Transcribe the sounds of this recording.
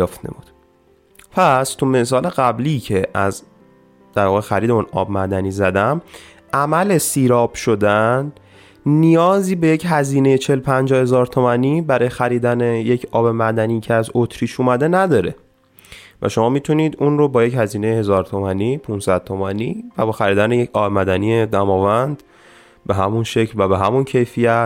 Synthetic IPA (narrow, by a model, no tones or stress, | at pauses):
ft̪nḛbud̪̥ | pʰæst̪ʰumes̬ɒːle̞ɣæblicʰe̞ʔæz | d̪̥æɾvɒːɣexæɾiːd̪emunɒ̰ːbmæd̪æniːzæd̪æm | ʔæmæle̞siːɾɒːb̥ʃo̞d̪ænː | ijɒːziːbe̞je̞cɦæziːne̞jet͡ʃʰe̞lpʰænd͡ʒɒːhe̞zɒːɾt̪ʰomæniːbæɾɒːjexæɾiːd̪æneje̞cʰɒːbe̞mæd̪æniːcʰeæzot̪ʰɾiːʃuːmæd̪e̞næd̪ɒːɾe̞ | væ̰ʃomɒːmit̪ʰuniːd̪unrobɒːje̞chæziːnejehe̞zɒːɾt̪ʰomænipʰunsæd̪̥̚t̪ʰomæniːvæbɒːxæɾiːd̪ænejecʰɒːbemæd̪ænijed̪æmɒːvænd̪ | be̞ɦæmunʃecʰlvæbe̞ɦæmuncʰe̞jfijæt̪